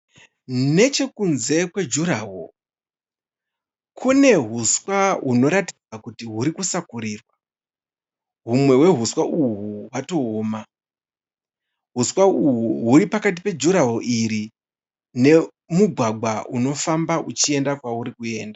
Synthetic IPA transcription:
ne̞t͡ʃe̞kunze̞kwe̞d͡ʒuɾaːɦo̰ | kʰune̞ɦuswaɦuno̞ɾatid͡zakutiɦuɾikusakuɾiːrwa | ɦumwe̞we̞ɦuswaʔuɦuwato̞ːma | ɦuswauɦuɦuɾipakat̬ipe̞d͡ʒuɾaɦoʔiɾi | ne̞ | muɡʱwaɡʱwaʔuno̞fambaʔut͡ʃie̞ndakwauɾikue̞ːnda

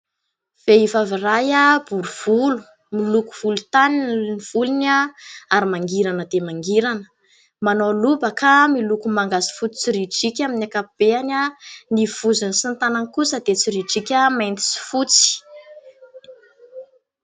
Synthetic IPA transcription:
v̥eivavirajab̥uɾuv̥ulu̥ | milukuv̥ulut̪aninniv̥ulinaaɾimaŋɡiɾanəd̪emaŋɡiɾanə̥ | manolubəkamilukumaŋɡazi̥fut͡si̥t͡siɾiʈ͡ʂikʲaminʲakapb̥eanʲaniv̥uzunisint̪anankusəd̪et͡siɾiʈ͡ʂikʲamajnt̪i̥si̥fut͡si̥

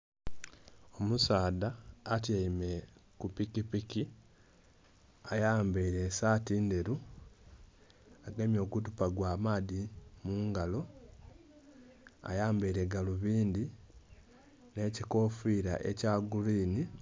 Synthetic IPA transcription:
o̞musaːdaːt̬jaime̞kupikipiki | ajaːmbeiɾe̞saːtiːnde̞ɾu | aɡemjo̞ːɡut̬upaɡwaːmaːðimuːŋɡalo̞ | a̰jaːmbeiɾe̞ɡaluβiːnd̪i | ne̞ciko̞fiɾa̰ʔe̞̰caɡuliːni

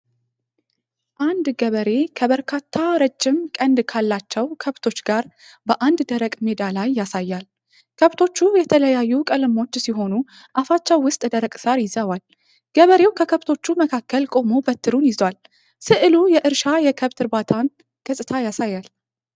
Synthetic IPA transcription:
ʔand̪ɡəβəɾe̞kʰəβəɾkʰat̪ʰːaɾəd͡ʒːɪmkʼənd̪kʰalːat͡ʃːɛwkʰəβt̪ʰo̞t͡ʃːɡaɾ | bəʔand̪d̪əɾəkʼme̞d̪alajːasajːal | kʰəβt̪ʰo̞t͡ʃːujɛt̪ʰələjajːukʼəlɨmo̞t͡ʃːsiɦo̞nu | ʔafat͡ʃːɛwːʊst̪ʼd̪əɾəkʼsaɾjɪzəwal | ɡ̥əβəɾe̞wkʰəkʰəβt̪ʰo̞t͡ʃːuməkʰakːəlkʼo̞mo̞bət̪ʰːɨɾunjɪzwal | sɨʔɨlujɛʔɨɾʃajɛkʰəβt̪ʰɨɾbat̪ʰan | ɡ̥əsʼɨt̪ʰajasajːal

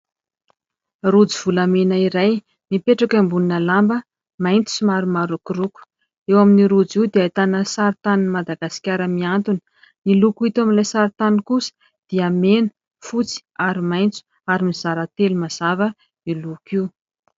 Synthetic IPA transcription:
rud͡ziv̥ulamenaiɾaj | mipeʈ͡ʂakambuninəlambə | majnt̪i̥simaɾumaɾukiɾuku̥ | ewaminiɾud͡ziwd̪eajt̪anəsaɾit̪aninmad̪aɡasi̥kʲaɾəmiant̪unə | nilukuit̪aminlajsaɾit̪anikusə̥ | d̪̥iamenə | fut͡si̥aɾimajnt͡su̥ | aɾimiz̥aɾət̪elumaz̥avə | nilukiu

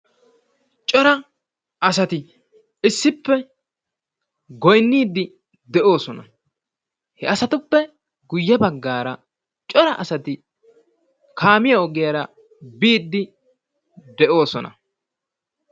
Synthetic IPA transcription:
t͡ʃʼɔɾɐ | ɐsɐt̪ɪ | ɪsːɪpːɛ | ɡɔjnːiːd̪ːɪ | d̪ɛʔo̞ːsɔnɐ | hɛɐsɐt̪ʊpːɛ | ɡʊjːɐbɐɡːaːɾɐ | t͡ʃʼɔɾɐʔɐsɐt̪ɪ | kaːmɪjɐɔɡɪjɐɾɐ | biːd̪ːɪ | d̪ɛʔo̞ːsɔnɐ̰

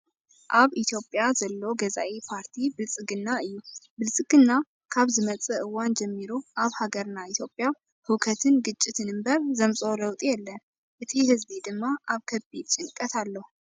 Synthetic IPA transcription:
ʔaβit̪ʰjo̞pʼjazəlːo̞ɡəza̰ʔepʰaɾt̪ʰibɨlsʼɨɡɨnːaɨjːubɨlsʼɨɡ̥ɨnːa | kʰaβzɨmət͡sʼɨɨwand͡ʒɛmːiɾoʔaβhaɡəɾɨnːait̪jo̞pʼja | hɨkʰət̪ʰɨnɡɨt͡ʃʼːɪt̪ɨnɨmbəɾzəmsʼo̞ləwt̪ʼjɛlːən | ʔɨt̪ʰihɨzbid̪ɨmːaʔaβkʰəbid̪t͡ʃʼɪŋkʼət̪ʰalːəhu

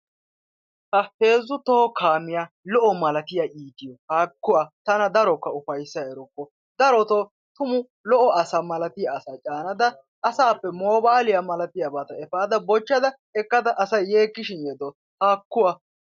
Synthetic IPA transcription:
t̪ɐhe̞ːzːʊt̪oːkʰaːmːɪja | lɔʔɔmɐlɐt̪ɪjaʔiːd̪ɪjɔkaːkːʊwaːt̪ɐnɐd̪ɐɾɔkːɐʊfɐjsːɐɛɾɔkːɔ | d̪ɐɾɔt̪o | t̪ʊmʊ | lɔʔɔɐsɐmɐlɐt̪ɪjaːsaːt͡ʃʼaːnɐd̪ɐ | ʔːsaːpːɛmoːbaːlɪjamɐlɐt̪ɪjabaːt̪ɐɛfaːd̪ɐbɔt͡ʃːɐd̪ɐ | ɛkːɐd̪ɐʔɐsɐjːeːkːɪʃɪnjɛd̪ɔ | haːkːʊwaː

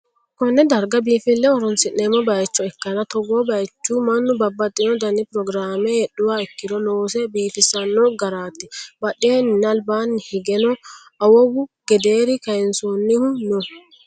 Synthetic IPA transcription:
kɔnːɛd̪ɐɾɡɐbiːfɪlːɛɔɾɔnsɪnːeːmːɔbɐjt͡ʃːɔɛkːɐnɐt̪ɔɡɔbɐjt͡ʃːumɐnːʊbɐbːɐt̪ʼːɪnɔd̪ɐnːɪpɾɔɡɾaːmɛhɛɗːʊwaːɛkːɪd̪ɔloːsɛbiːt̪ɪsɐnːɔɡɐɾaːt̪ːɪbɐɗeːnnɐlbaːnːhɪɡɛnɔ | ɐwɔwʊɡ̥ɛd̪eːɾɪkɐjɛnsonːɪhʊnɔ

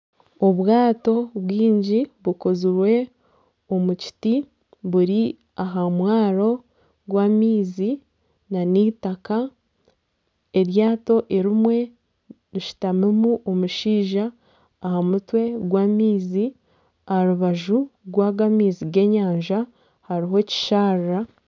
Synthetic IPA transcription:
o̞βwaːto̞βwiːɲɟiβukozuɾwe̞ | omuci̥ti | βuɾi | aɦamwaːɾo̞ | ɡwaːmiːzi | naniːtaka | e̞ɾjaːto̞ʔe̞ɾimwe̞ | ɾiʃi̥tamemuʔomuʃiːʒaː | hamutwe̞ɡwaːmiːzi | ahaɾuβaʒuɡwaːɡamiːziɡe̞ːɲaːɲʒa | haɾiɦo̞ci̥ʃaːɾːa

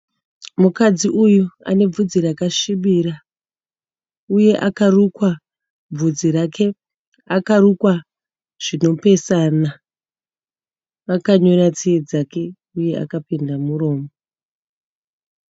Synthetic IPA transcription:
mukad͡ziʔujua̰ne̞b͡vud͡ziɾakaʃiɓiɾa | uje̞ʔakarukwa | b͡vud͡zirakʰe̞ | akarukwa | ʐ̥ino̞pe̞sana | akaɲo̞ɾat͡sied͡zake̞ | uje̞ʔa̰kapindamuɾo̞ːmo

